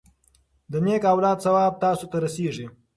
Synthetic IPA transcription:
d̪ənekawlɑːd̪sawɑːb̚t̪ɑːsot̪aɾaseʐi

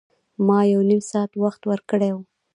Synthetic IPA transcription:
mɑjawnimsɑat̪waxt̪wəɾkəɽew

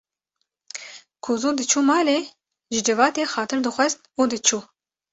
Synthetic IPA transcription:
kʰuzud̪ɨt͡ʃʰuːmɑːleː | ʒɨd͡ʒɨvɑːt̪eːxɑːt̪ʰɨɾd̪ɨxʷɛzt̪uːd̪ɨt͡ʃʰuː

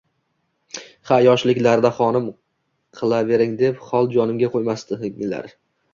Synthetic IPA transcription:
χajɒʃlɪkʲlaɾd̪aχɒnɪm | qʰɨlˠave̞ɾɪŋd̪e̞pχɒlˠd͡ʒɒnɪmɡʲaqʰojmast̪ɪla̰ɾ

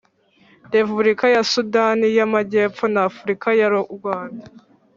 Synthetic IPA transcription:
depubuɾikajasudanijamaɟeːpp͡fonaːfuɾikajaɾoʔuɡwaːnda

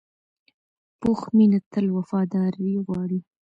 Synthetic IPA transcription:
poxminat̪əlwafɑd̪ɑɾiɣwɑɽi

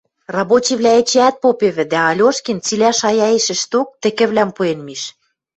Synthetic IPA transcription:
rɑbot͡ɕiβlʲæĕt͡ɕeæt̪̚popeβɘ̆d̪æɑlʲoʃkint͡silʲæʃɑjɑeʃɘ̆ʃt̪ok̚t̪ɘ̆kɘ̆βlʲæmpuenmiʃ

